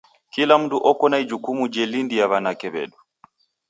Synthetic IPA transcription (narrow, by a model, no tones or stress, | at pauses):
kilam̩duʔɔkɔnaid͡ʒukumud͡ʒɛlindijaβanakɛβɛ̰ɗu